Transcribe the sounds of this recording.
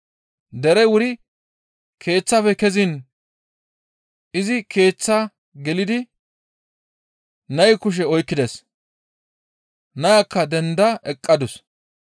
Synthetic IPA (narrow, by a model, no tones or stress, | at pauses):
d̪ɛɾɛwʊɾɪ | kʰe̞ːt͡sːɐfɛkɛzɪn | ɪzɪkʰe̞ːt͡sːɐ | ɡɛlɪd̪ɪ | nɐjkʊʃ̬ɛɔjkːɪd̪ɛs | nɐjakːɐd̪ɛnd̪ɐʔɛkʼːɐd̪ʊs